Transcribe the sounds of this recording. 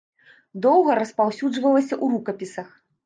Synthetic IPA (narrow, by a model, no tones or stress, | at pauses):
d̪ɔwɣɐɾɐspawsʲud͡ʐvɐlˠɐsʲɐʔuɾukɐpʲisɐx